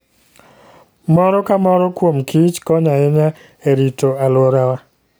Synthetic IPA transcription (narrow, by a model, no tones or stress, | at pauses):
mɔɾɔkamɔɾɔkwomkʰit͡ʃkɔɲaɛɲa | eɾitoalwoɾawa